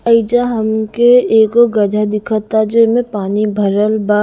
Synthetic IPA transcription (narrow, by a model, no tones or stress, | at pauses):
əɪd͡ʒaɦəmkeeːkoɡəɖʱad̪ɪkʰət̪ad͡ʒomẽpaːnibʱəɾəlba